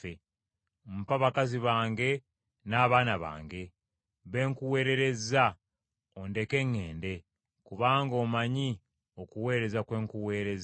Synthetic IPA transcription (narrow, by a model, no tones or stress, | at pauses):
e | m̩paβakaziβaːŋɡe̞ | naːβaːnaβa̰ːŋɡe̞ | βe̞ːŋkuwe̞ːɾe̞ɾe̞za | onde̞ke̞ŋːe̞ːnde̞ | kuβaːŋɡo̞ːmaɲi | okuwe̞ːɾe̞zakwe̞ːŋkuwe̞ːɾe̞z